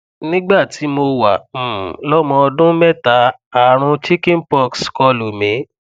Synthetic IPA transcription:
nĩ˦ɡ͡ba˦˨ti˨˦mo˧wa̰˨lɔ˦mɔ̃˧ɔ˧dũ˦mɛ˦˨ta˨˦a˨ɾ̃ũ˧t͡ʃi˦kĩ˦n˦pɔ˧kskɔ˧lo˨mĩ˨˦

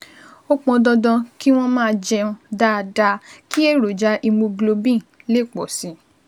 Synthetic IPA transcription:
o˦k͡pɔ̃˧dɔ˧dɔ̃˧ki˦w̃ɔ̃˦mãː˦˧d͡ʒɛ˧ũ˧da˦˧da˧ki˦e˦˨ɾo˨d͡ʒa˨˦ʔi˧mõ˧ɡlo˧bĩ˦˨le˦˨k͡pɔ˨si˨˦

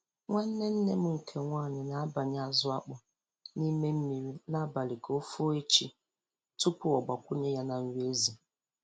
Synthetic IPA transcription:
ŋʷa˦n̩˦ne˦n̩˦ne˦mu˦˨kʰe˨ŋʷaː˦˨ɲɪ˨na˨a˦ba˨ɲ˦a˦˨zʊ˦a˦k͡pʊ˨ | ni˦me˦m̩˦mi˨ɾi˦na˦ba˨li˨ko˦fo˦e˦t͡ʃi˦ | tu˦pʊ˦ɔ˨ɡ͡ba˨kʷʊ˦ɲe˦ja˦na˨n̩˦we˦zi˨

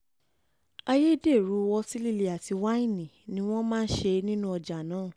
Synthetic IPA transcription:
a˧je˦de˦˨ɾu˨˦wɔ˧si˦li˦˧le˨a˨ti˨˧wa˦ĩ˦˨nĩ˨nĩ˦w̃ɔ̃˦mãː˦˧n̩˦ʃe˧nĩ˦nũ˦ɔ˧d͡ʒa˨nãː˨˦˨

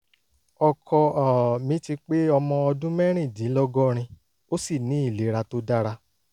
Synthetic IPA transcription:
ɔ˧kʰɔ˧a˨mĩ˨˧˦ti˧k͡pe˦ɔ˧mɔ̃˧ɔ˧dũ˦mɛ˦ɾ̃ĩ˦˨dĩ˨˦lɔ˦ɡɔ˦ɾ̃ĩ˧ | o˦si˦˨nĩ˨˦i˦˨le˨˦ɾa˧to˦da˦ɾa˧

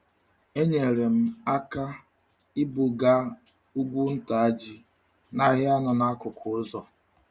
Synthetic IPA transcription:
e˦ɲe˨ɾe˨m̩˦a˦ka˦ | ɪ˦bu˨ɡa˦ | u˦ɡʷu˦n̩˦ta˨a˦d͡ʒi˦ | na˦ɣɪ˦a˦nʊ˨na˦kʊ˨kʰʊ˨˦zɔ˨

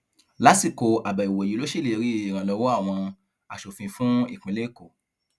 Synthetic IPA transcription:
la˨˦si˦˨ko˨˧a˨ba˨i˨wo˨ji˨˦lo˦ʃe˦˨le˨˧ɾi˨˦i˦˨ɾ̃ã˨lɔ˧wɔ˦a˦˨w̃ɔ̃˧ | a˨ʃo˨fĩ˧fũ˦i˦˨k͡pĩ˨˦le˦˨ko˨

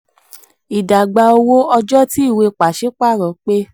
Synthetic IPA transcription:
i˨da˨ɡ͡ba˨˧o˧wo˦ɔ˧d͡ʒɔ˦ti˦i˦˨we˧k͡pa˨ʃe˦k͡pa˦˨ɾɔ̃˨˦k͡pe˦

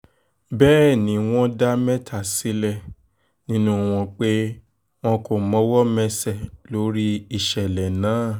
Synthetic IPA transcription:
bɛː˦˨nĩ˨˦w̃ɔ̃˦da˦mɛ̃˦tʰa˦˨si˨˦lɛ˦˨ | nĩ˦nũ˦w̃ɔ̃˧k͡pe˦ | w̃ɔ̃˧ko˨mɔ̃˨˦wɔ˦mɛ˧sɛ˨lo˨˦ɾi˦i˨ʃɛ˨lɛ˨nãː˨˦

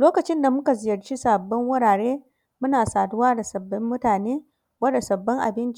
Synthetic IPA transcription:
loː˦kɐ˨t͡ʃɪ˦nda˨mʊ˦ka˨zɪ˨jɐ˨rt͡ʃi˦sa˨bːɔ˦ŋwʊ˦ɽaː˨ɽeː˦ | mʊ˦naː˨saː˨dʊ˦waː˦da˨sɐ˨bːɐ˦mːʊ˦taː˨neː˦ | wɐ˦da˨sɐ˨bːɔ˦ŋʔa̰˨bɪ˦nt͡ʃ

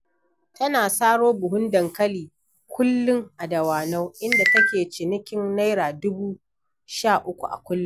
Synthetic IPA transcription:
tɐ˦naː˨saː˦ɽoː˦bʊ˨ɦʊ˦ndɐ˨ŋkɐ˦liː˨ | kʷʊ˦lːʊ˦ŋʔa˨dɐ˨waː˨na˦wʔɪ˦nda˨tɐ˦kʲeː˨t͡ʃɪ˨nɪ˦kʲɪ˦nna˦jɾaː˨dʊ˦buː˦ | ʃaː˦˨ʔʊ˦kʷṵ˨ʔa̰˨kʷʊ˦lːʊ˦

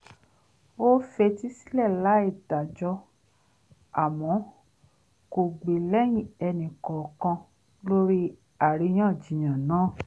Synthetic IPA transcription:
o˦fe˧ti˦si̥˦lɛ˦˨la˨˦i˦˨ta˨d͡ʒɔ˧ | a˨mɔ̃˨˦ | ko˨ɡ͡be˨lɛ˦j̃ĩ˦˨ɛ˧nĩ˨kɔ˨kã˧ | lo˦ɾi˦ | a˨ɾi˧j̃ã˦˨d͡ʒĩ˨j̃ã˨nãː˨˦˨

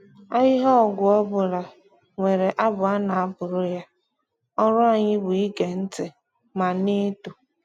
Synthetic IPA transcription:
a˦ɣɪ˦ɦɔ˦˨ɡʊ˨ɔ˦bʊ˨la˨ | ŋʷe˨ɾe˨ʔa˦bʊ˨a˦na˨a˦bʊ˨ɾʊ˦ja˦ | ɔ˦ɾʊ˦a˨ɲɪ˦bʊ˨i˦ɡe˨n̩˦tɪ˨ | ma˨nɪ˦tu˨

